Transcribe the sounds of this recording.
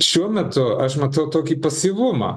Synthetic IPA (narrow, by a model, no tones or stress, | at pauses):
ʃʲuɔmʲɛt̪ʊɐʃmɐt̪ɐʊkt̪oːkʲiːpɐsʲiʋʊmɐ̰